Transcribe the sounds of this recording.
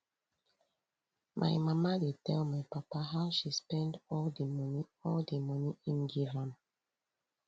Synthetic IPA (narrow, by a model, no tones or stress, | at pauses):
mʔa̰jmamadetɛlmajpapaɦawʃispɛ̃ndɔldəmɔniɔldəmʌniĩnɡilãm